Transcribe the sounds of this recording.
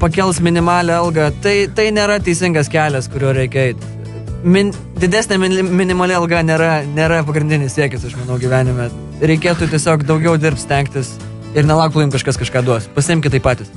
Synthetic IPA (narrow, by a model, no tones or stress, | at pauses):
pɐkʲɛlˠsmʲɪnʲɪmɑːlʲɛɐlˠɡɐt̪ɐɪt̪ɐɪnʲeːɾɐt̪ʲɛɪsʲɪŋɡɐskʲæːlʲɛskʊɾʲuːɾʲɛɪkʲɛɛɪt̪ | mʲɪn | d̪ʲɪd̪ʲæːsʲnʲɛmʲɪnʲɪmʲɪnʲɪmɐlʲɪɐlˠɡɐnʲeːɾɐnʲeːɾɐpɐɡɾʲɪnd̪ʲɪnʲɪssʲiɛkʲɪsɐʃmɐnɐʊɡʲiʋʲæːnʲɪmʲɛ | ɾʲɛɪkʲeːt̪ut̪ʲiɛsʲoːkd̪ɐʊɡʲɛʊd̪ʲɪrp̚t̪sʲt̪ʲɛŋkt̪ʲɪs | ɪrnʲɛlˠɐʊktlˠʊjɪmkɐʃkɐskɐʃkɑːd̪uɔspɐsʲɪɪmʲkʲɪt̪ɐɪpɑːt̪ʲɪs